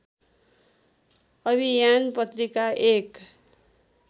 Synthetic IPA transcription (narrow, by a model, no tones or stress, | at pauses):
ʌbʱijanpʌt̪rikaʔek